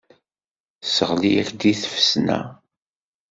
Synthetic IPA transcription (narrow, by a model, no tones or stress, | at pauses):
səʁliæçd̪iθfə̥snæ̰